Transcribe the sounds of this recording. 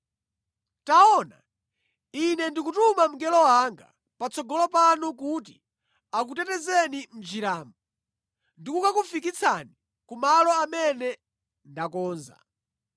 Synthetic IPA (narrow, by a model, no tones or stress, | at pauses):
taɔna̰ | inɛndikutumam̩ɡɛlɔwaŋɡa̰ | pat͡sʰɔɡɔlɔpanuk̬uti | akutɛtɛzɛnim̩d͡ʒiɾaːmba | ndikukakufikit͡sʰani | kumalɔamɛnɛ | ndakɔːnza̰